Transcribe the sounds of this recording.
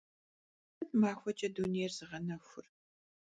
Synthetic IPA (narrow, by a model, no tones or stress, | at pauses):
nmaːxʷɐt͡ʃʼɐduneːrzɨʁɐnɐxʷʊ̰r